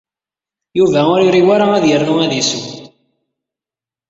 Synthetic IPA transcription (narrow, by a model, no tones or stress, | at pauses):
juvæʊɾiɾiwaɾaæðjərːuæðisuw